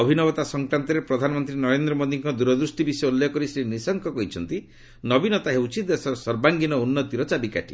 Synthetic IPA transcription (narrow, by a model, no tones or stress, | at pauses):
ɔbʱinɔbɔt̪asɔŋkɾant̪ɔɾepɾɔd̪ʱanɔmɔnt̪ɾinɔɾend̪ɾɔmod̪iŋkɔd̪uɾɔd̪ɾusʈibisjulːeɔkɔɾisɾinisɔŋkɔkɔɦit͡ʃʰɔnt̪i | nɔbinɔt̪aɦewt͡ʃʰit̪essɔɾbaŋɡinɔunːɔt̪iɾɔt͡ʃabikaʈḭ